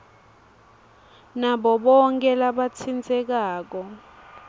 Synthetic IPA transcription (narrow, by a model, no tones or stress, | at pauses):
naɓɔɓɔŋk̬ʼɛlaɓat͡sʰind͡zʱʼɛk̬aːk̬ɔ